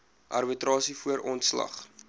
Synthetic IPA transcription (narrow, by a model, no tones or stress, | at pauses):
ʔɐ̰rbitrɑːsifuəɾʔɔntslɐ̰χ